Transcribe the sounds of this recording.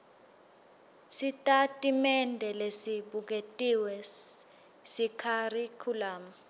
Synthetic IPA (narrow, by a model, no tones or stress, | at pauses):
sitʼatʼimɛndʱɛlesiɓuk̬ʼetʼiwɛ | sikʰarikʰulaːma